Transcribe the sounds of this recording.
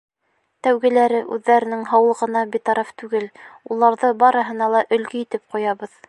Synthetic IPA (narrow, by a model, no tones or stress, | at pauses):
t̪æwɡɘ̆læɾɘʔʉðːæɾɘ̆nɘŋɦɑwɤlˠʁɤ̆nɑbit̪ɑɾɑft̪ʉɡɘlulˠɑɾðɤbɑɾɤ̆ɦɤ̆nɑlˠɑʔɵ̆lɡiit̪ɘp̚qujɑβɤð